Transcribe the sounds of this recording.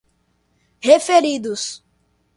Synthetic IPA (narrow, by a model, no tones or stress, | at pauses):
hefeɾid̪ʊs